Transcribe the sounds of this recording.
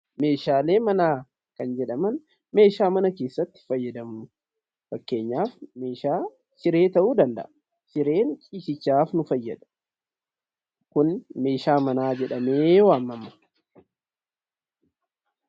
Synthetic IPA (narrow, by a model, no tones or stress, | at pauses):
me̞ːʃaːle̞ːmɐnaː | kɐnd͡ʒɛᶑɐmɐn | me̞ːʃaːmɐnɐkeːsːɐt̪ːɪ̥fɐjːɐd̪ɐmʊ | fɐkːe̞ːɲːaːfme̞ːʃaː | sɪɾe̞ːt̪ɐʔuːd̪ɐnd̪ɐ̰ʔɐ | sɪɾe̞ːnt͡ʃʼiːsɪt͡ʃːaːfnʊfɐjːɐd̪ɐ̥ | kʊnme̞ːʃaːmɐnaːd͡ʒɛᶑɐmeːwaːmːɐmɐ̥